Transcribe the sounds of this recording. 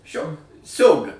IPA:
ˈʃʲoː ˈsʲɛʊbʲɪ

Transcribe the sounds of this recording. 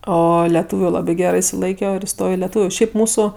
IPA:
ˈoː lʲɛˈtʊʋʲʊ ˈlˠɑːbʲɪ ˈɡʲæːrɜ ɪʃʲsʲɪˈlˠɐɪkʲoː ɪr ɪˈstoːjoː ɪ lʲɛˈtuːʋʲʊ ˈʃʲɛɪp ˈmuːsʊ

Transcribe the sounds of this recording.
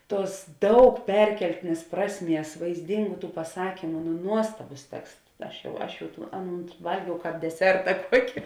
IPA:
ˈtuɔs ˈdɐʊk ˈpʲɛrʲkʲɛlʲtʲɪnʲeːs ˈprɑːsʲˌmʲiɛs ʋɐɪzʲˈdʲɪŋɡʊ pɐˈsɑːkʲiːmʊ nʊ ˈnuɔstɐbʊs ˈtʲɛksts ˈɐʃ jɛʊ ˈɐʃ jɛʊ tuː ˈɑːˌnuːn ˈʋɐlʲɡʲɛʊ ˈkɑːp dʲɛˈsʲɛrtɐ ˈkuɔkʲɪ

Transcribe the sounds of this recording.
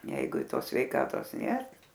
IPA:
ˈjɛɪɡʊ ɪ ˈtoːs sʲʋʲɛɪˈkɑːtoːs ˈnʲeːr

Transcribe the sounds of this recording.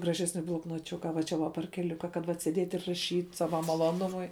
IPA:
ɡrɐˈʒʲæːsʲnʲɪ blˠoːknoːˈt͡ʃʲʊkɐ ʋɐ ˈt͡ʃʲɛ ʋɐ pɐrʲkʲɛˈlʲʊkɐ kɐt ˈʋɐt sʲeːˈdʲeːtʲ ɪr rɐˈʃʲiːtʲ ˈsɑːʋɐ mɐlˠoːˈnʊmʊɪ

